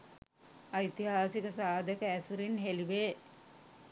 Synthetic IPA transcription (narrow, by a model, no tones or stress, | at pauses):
ɐjt̪iɦaːsikəsaːd̪ʱəkəæsuɾinɦeliʋeː